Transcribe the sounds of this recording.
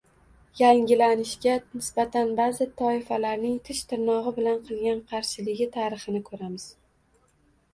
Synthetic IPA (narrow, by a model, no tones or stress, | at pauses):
jaŋʲɪlanɪʃɡʲanɪsbat̪ʰanbazɪt̪ʰɒɪfalaɾnɪŋt̪ʰɪʃt̪ʰɪɾnɒʁɨbɪlanqʰɨlˠɡʲanqʰɑɾʃɪlɪɡʲɪt̪ʰaɾɨχɨnɪkʰɵɾamɪz̥